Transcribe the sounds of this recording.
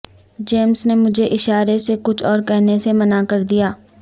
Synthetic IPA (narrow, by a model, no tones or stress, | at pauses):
d͡ʒeːmsnemʊd͡ʒʱeʔɪʃaːɾesekʊt͡ʃʰɔːɾkɛɦnesemɐnakɐɾd̪ijaː